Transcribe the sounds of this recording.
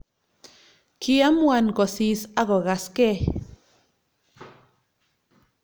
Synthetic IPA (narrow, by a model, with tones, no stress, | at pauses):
kia˦mwa˨nɡo˨sisa˦ɣo˨ɣaske˦